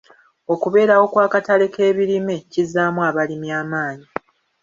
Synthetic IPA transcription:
o̞kuβe̞ːɾawo̞kwaːkatale̞ke̞ːβiɾime̞cizaːmwaβalimjaːmaːɲi

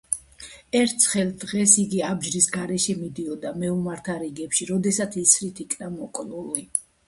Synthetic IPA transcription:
ɛɾt̪ʰsʰχɛlˠd̪ʁɛsiɡiabd͡ʒɾisɡaɾɛʃɛmid̪iɔd̪amɛumaɾt̪ʰaɾiɡɛpʃiɾɔd̪ɛsat̪sʰisɾit̪ʰikʰnamɔkʼluli

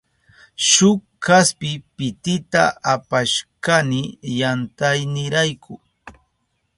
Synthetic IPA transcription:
ʃʊk | kaspɪpɪt̪ɪt̪a̰apaʃkanɪjant̪ajnɪɾajkʰʊ

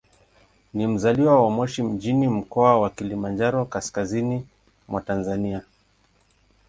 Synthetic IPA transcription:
nim̩zaliwawamɔʃim̩d͡ʒinim̩kɔawakilimand͡ʒaɾɔkaskazini | mwatanzania

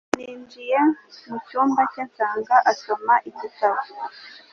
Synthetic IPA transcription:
niːnd͡ʒije̞mucuːmbacensaːŋɡaʔasomaʔicisazu

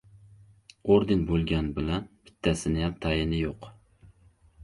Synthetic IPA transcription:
oɾd̪ɪnbolˠɡʲɛnbɪlɛnb̥ɪ̥t̪ʰːæsɪnɪjɛmt̪ʰɑjɪnɪjoq

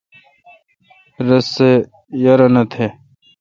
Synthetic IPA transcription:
ɾɐse | jɐɾɐnɐt̪ʰe

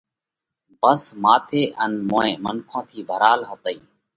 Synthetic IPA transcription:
bəsmaːt̪ʰeːʔənmoːẽːmənkʰõːt̪ʰiːbʱəɾaːlɦət̪əiː

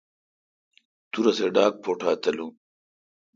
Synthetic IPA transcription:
t̪uɾɐseɖaːk̚pʰoːʈʰaːt̪ɐlu

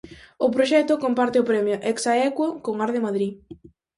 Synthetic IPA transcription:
ʊpɾoʃɛt̪ʊkompaɾt̪ɪʊpɾɛmjʊʔɛksaɛkwokoŋaɾðɪmaðɾi

